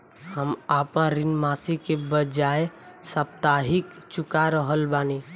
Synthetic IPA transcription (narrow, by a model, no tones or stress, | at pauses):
həmaːpãɾɪnmaːsikebəd͡ʒaːe | səp̚t̪aːɦɪk | t͡ʃʊkaɾəɦəlbaːni